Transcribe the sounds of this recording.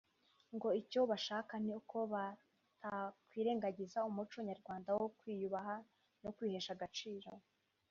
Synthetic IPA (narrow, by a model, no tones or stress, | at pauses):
ŋɡo̞ico̞βaʃaːkan̥iukʰo̞βa | tʰakwiːɾe̞ːŋɡaɟizaumut͡ʃoɲaɾɡwaːndawokwiːjuβaɦa | nokwiːhe̞ʃaɡat͡ʃiːɾo̞